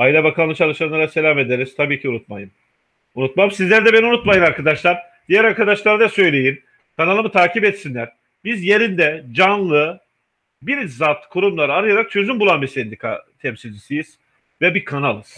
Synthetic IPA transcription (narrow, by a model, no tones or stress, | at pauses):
ailʲɛbakʰanˠɯt͡ʃʰalˠɯʃanlːˠaɾase̞lʲame̞d̪eɾiz̥t̪ʰabiːcʰiunut̪̚majɯm | unut̪̚mamsizlʲæɾd̪ɛbɛniunut̪majɯnaɾkʰad̪aʃlˠaɾ | d̪ijæɾaɾkʰad̪aʃlˠaɾd̪asø̞jlʲe̞jin | kʰanalˠɯmɯt̪ʰaːcʰipɛt̪sinlʲæɾ̥ | bizje̞ɾind̪ɛd͡ʒanlˠɯ | biɾzat̪kʰuɾumlˠaɾaɾɯjaɾak̚t͡ʃʰø̞zymbulˠanbisɛnd̪ikʰa̰t̪ʰɛmsilʲd͡ʒisijiz̥ | vɛbikʰanalˠɯz̥